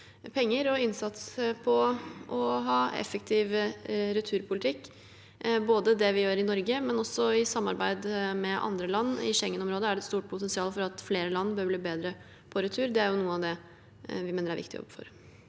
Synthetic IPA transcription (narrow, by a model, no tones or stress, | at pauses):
pʰɛŋːəɾɔɪnsɑt̪spʰɔʔɔɦɑːɛ̰fəkt̪ʰɪʋɾʉt̪ʰʉːɾpʰʊlɪt̪ʰɪkː | boːd̪əd̪ɛʋɪjøːɾɪnɔɾɡəmɛnɔsːɔɪsɑmːɑɾbæɪd̪mɛʔɑ̰nd̪ɾəlɑnːɪ̰ʂɛŋːənɔmɾoːd̪əæɖɛt̪st̪uːʈ̚pʰʊt̪ɛnsɪɑːlfɔɾɑt̪fleːɾəlɑnːbøːɾbliːbeːd̪ɾə | pʰɔɾʉt̪ʰʉːɾd̪ɛæɾjʊnuːənɑʋd̪ɛ | ʋɪmeːnəɾæɾʋɪ̰kt̪ɪjɔ̰bfɔ̰ɾ